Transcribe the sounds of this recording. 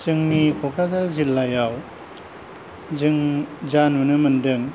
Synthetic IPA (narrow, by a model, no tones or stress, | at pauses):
zɯŋmikʰokʰɾazazilːajaw | zɯŋzanmɯnɯmɯndɯŋ